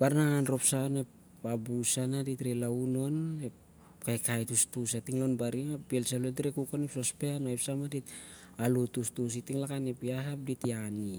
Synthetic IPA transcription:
b̥aɾnaŋanɾo̞psaone̞p | abusanaditɾelauno̞nep | kajkajtustusatiŋlonbaɾiŋapielsalotɾekukonepsospeanoepsamadit̚ | alutustus̬itiŋlakanepiaɦap̚ditiani

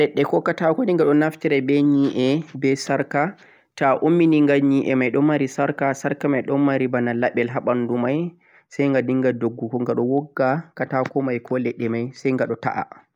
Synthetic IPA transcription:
lɛɗːɛkɔkatakɔdiŋɡaɗɔnaftiɾɛbɛɲiʔɛbɛsaɾka | taʔomːiniŋɡalɲiʔɛ̰majɗɔmaɾisaɾkasaɾkamajɗɔmmaɾibanalaɓɛlɦaɓandumaj | sajŋɡadiŋɡadoɡːukɔŋɡaɗɔwɔɡːakatakɔmajkʰɔlɛɗːɛmajsajŋɡaɗɔta̰ʔa̰

